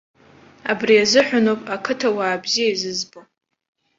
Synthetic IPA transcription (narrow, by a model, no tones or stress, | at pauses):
abriazɨħʷᶣanopʼakʰɨtʰawaːbzijaizɨzbo